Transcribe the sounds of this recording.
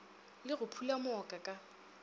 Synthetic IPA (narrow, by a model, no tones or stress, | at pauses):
lɪɣʊpʰulamʊɔkʼakʼa